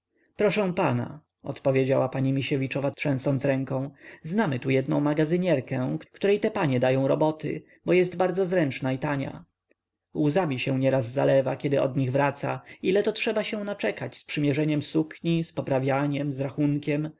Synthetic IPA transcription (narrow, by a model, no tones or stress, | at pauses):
pɾɔʂɛ̃pana̰ | ɔ̰t̪pɔvʲjed͡ʑawapaɲimʲiɕɛvʲit͡ʂɔvatʂɛ̃sɔnt̪sɾɛŋkɔ̃w̃znamɘt̪ujɛd̪̚nɔ̃w̃maɡazɘɲɛɾkɛkkt̪uɾɛjt̪ɛpaɲɛd̪ajɔ̃w̃ɾɔbɔt̪ʰɘ̰ | bɔjɛsd̪baɾd̪zɔzɾɛnt͡ʂnait̪aɲa̰ | wuzamʲiɕɛw̃ɲɛɾazːa̰lɛvakʲɛd̪ɘʔɔ̰d̪ɲiɣvɾat̪sailɛt̪ɔtʂɛbaɕɛ̃w̃nat͡ʂɛkat͡ɕspʂɘmʲjɛʐɛɲɛmsukɲispɔpɾavʲjaɲɛmzɾaxuŋkʲɛm